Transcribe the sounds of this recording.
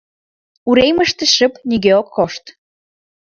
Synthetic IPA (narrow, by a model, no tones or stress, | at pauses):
uɾejməʃt̪ə̆ʃə̆pniɣeokːoʃt̪